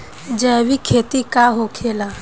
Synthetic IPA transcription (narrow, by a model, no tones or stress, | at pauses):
d͡ʒɛːwikʰeːt̪ikaɦokʰeːla